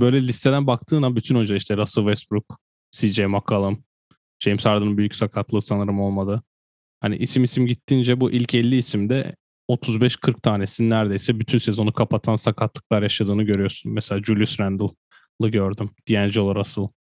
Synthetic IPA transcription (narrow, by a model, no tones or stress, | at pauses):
bø̞jlʲɛlʲist̪ʰɛ̞d̪ænbak̚t̪ʰɯːnabyt̪ʰynønd͡ʒaiʃt̪ɛɾasɯlˠvɛsbɾuk̚ | sid͡ʒɛjmakʰalˠɯm | d͡ʒejmsaɾd̪ɯnɯnbyjycsakʰat̪ʰlˠɯːsanɯɾɯmo̞lˠmad̪ɯ | hanḭʔisimisimɟit̪ːind͡ʒɛbuʔilʲcʰɛlʲːiːsimd̪ɛ̰ | o̞t̪ʰuzbɛʃkʰɯɾk̚t̪ʰaːnesinnːæɾd̪e̞jsɛbyt̪ʰynse̞zo̞nukʰapʰat̪ʰansakʰat̪ʰlˠɯklˠaɾjaʃad̪ɯːnɯɟø̞ɾyjo̞ɾsunmɛselʲaːd͡ʒulʲjysɾænd̪ɯlˠ | lˠɯɟø̞ɾd̪ymd̪̥ijænd͡ʒɛo̞lˠaɾasɯlˠ